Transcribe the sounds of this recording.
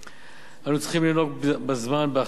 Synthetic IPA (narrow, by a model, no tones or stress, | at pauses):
ʔanut͡sχimlino̞k̚bbazmanbea